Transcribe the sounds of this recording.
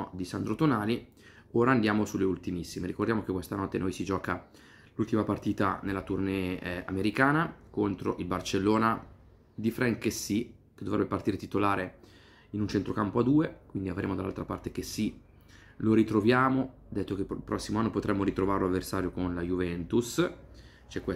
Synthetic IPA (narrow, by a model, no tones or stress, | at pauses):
d̪isand̪ɾot̪onaːli | oːɾaːnd̪jaːmosulːeult̪imisːimeɾikord̪jaːmok̟ekːwest̪anɔt̪ːenojsid͡ʒɔːka | lult̪imapart̪iːt̪a̰nelːat̪urnea̰meɾikaːnakont̪ɾoʔilbart͡ʃelːoːna | d̪ifɾaŋkesi | ked̪ovɾɛbepart̪iːɾet̪it̪olaːɾe | inunt͡ʃent̪ɾokampoad̪ːuːekwind̪iavɾḛːmod̪alːa̰lt̪ɾapa̰rt̪ek̟esi | loɾit̪ɾovjaːmod̪ɛt̪ːokelpɾʔɔsːimoanːopot̪ɾʔɛmːoɾit̪ɾovaːɾeloavːersaːɾjokonlajuvɛnt̪us | t͡ʃɛkːwe